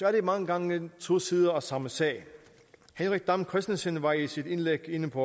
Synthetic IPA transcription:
fæɐd̥imɑ̈ŋəɡ̥ɑ̈ŋəət͡sʰo̝̰ːsið̞ˠɐɒsɑ̈məsɛ̰ːɪ | henʁiɡ̥̚d̥ɑ̈mkʰʁɛsd̥əsənʋɑ̈isid̥e̝nleɡ̥e̝nəpʰɒ̽

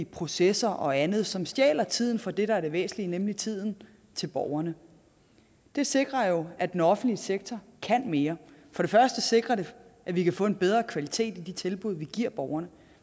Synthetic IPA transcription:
əpʰʁo̝sesɐʔɒ̽ænð̞̩ˠsɒ̽msjɛ̰ːlɐt͡sʰið̞̰ˠn̩fɒ̽d̥e̝ɾɑæɐɾ̥e̝ʋḛːsn̩linemlit͡sʰið̞̰ˠn̩ | t͡sʰe̝lb̥ɒʊɐnə | d̥e̝se̝ɡ̥ʁɐjo̝æd̥enɒ̽fn̩d̥liseɡ̥̚t͡sʰɒ | kʰæn̰me̝ːɐfɒ̽ɾ̥e̝fɶɐsd̥əse̝ɡ̥ʁɐɾe̝ʔæʋikʰæfɔ̰̽ːe̝nb̥eð̞ˠʁɐːkʰʋælit͡sʰe̝̰ːd̥id̥it͡sʰe̝lb̥uð̞̰ˠʋiɡ̥iɐ̰b̥ɒʊɐnə

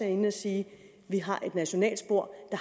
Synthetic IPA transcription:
æe̝nɒsiː | ʋiɦɑ̈ʔe̝d̥næɕo̝nɛ̰ːld̥sb̥o̝ɐ̰d̥ɑ̈

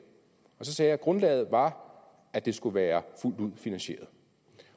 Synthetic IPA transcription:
ɒ̽sɒ̽sɛːjɑ̈ɪɡ̥ʁɔ̽nlɛ̰ːð̩ˠʋɑ̈ | æd̥e̝sɡ̥uʋæːɐful̰d̥uð̰ˠfinænɕe̝̰ːɐðˠ

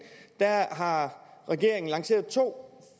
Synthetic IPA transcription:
d̥æɦɑ̈ʁɛɡ̥e̝ɐ̰e̝ŋn̩lɑ̈ŋse̝̰ɐð̩ˠt͡sʰo̝̰ː

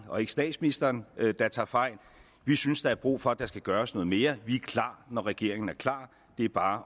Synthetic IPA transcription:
ɒ̽e̝ɡ̥ə̥sd̥ɛ̰ːd̥sminisd̥ɐːnd̥ɑ̈t͡sʰɑ̈ːfɑ̈ɪ̰l | ʋisynsd̥ɑ̈æɐb̥ʁo̰ːfɒ̽æd̥ɑ̈sɡ̥æɡ̥ɶːɐsnɔ̽ːð̩ˠme̝ːɐʋiækʰl̥ɑ̰̈ːnɒʁɛɡ̥e̝ɐ̰e̝ŋn̩æɐkʰlɑ̰̈ː | d̥e̝æɐb̥ɑ̈ː

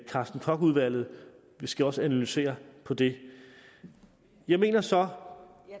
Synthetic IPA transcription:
kʰɑ̈sd̥n̩kʰɒ̽ɡ̥uð̞ˠʋæl̰ð̞̩ˠ | ʋisɡ̥æɒ̽səænælyse̝̰ːɐpʰɒ̽d̥e̝ | jɑ̈ɪme̝̰ːnɐsɒ̽

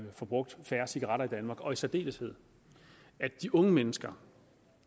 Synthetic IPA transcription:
fɒ̽b̥ʁɔ̽ɡ̥̚d̥fæːɐsiɡ̥ɐʁɑ̈ɾɐid̥ænmɑ̈ːɡ̥ɒ̽isæd̥e̝̰ːləshe̝ð̞̰ˠ | æd̥iʔɔ̽ŋəmenəsɡ̥ɐ

